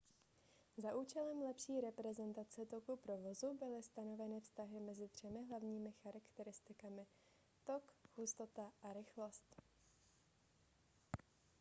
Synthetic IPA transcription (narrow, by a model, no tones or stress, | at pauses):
zaʔuːt͡ʃɛlɛmlɛpʃiːɾɛpɾɛzɛnt̪at͡sɛt̪o̞kupɾo̞vo̞zubɪlɪst̪ano̞vɛnɪfst̪aɦɪmɛzɪd̪r̝̥ɛmɪɦlavɲiːmɪxaɾakt̪ɛɾɪst̪ɪkamɪ | t̪o̞khust̪o̞t̪aʔaɾɪxlo̞st̪